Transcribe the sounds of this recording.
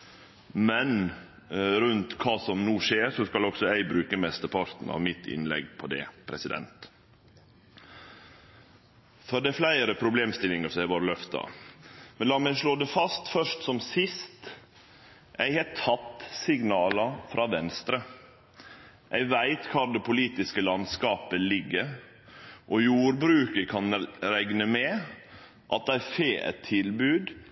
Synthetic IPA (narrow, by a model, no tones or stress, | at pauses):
mɛn | ɾʉnt̪kʰɑːsɔmnuːʂeːɾsɔskɑlɔɡsɔæɪbɾʉːkəmɛst̪əpʰɑɾt̪n̩ɑ̰ʋmɪt̪ʰɪ̰nlɛ̰ɡpʰɔd̪ɛ̰pʰɾɛsɪd̪ɛ̰nt̪ | fɔɖ̪ɛflæɪɾəpʰɾʊbleːmst̪ɪlɪŋəsɔɛæʋoːɾəlœft̪ɑ̰mɛnlɑːmæɪʂɭoːd̪ɛfɑst̪fœʂt̪sɔmsɪst̪ | ʔæɪhɛtʰɑt̪ːsɪɡnɑːlɑfɾʔɑːʋɛnst̪ɾə | ʔæɪʋæɪt̪kʰɑːɖ̪ɛpʰʊliːt̪ɪskəlɑnskɑːpəlɪɡːəɾ | ʔɔjuːɾbɾʉːkəkʰɑnɾæɡnəmɛ | ʔɑt̪̚d̪æfeːʔɛ̰t̪ʰːɪlbʉːd̪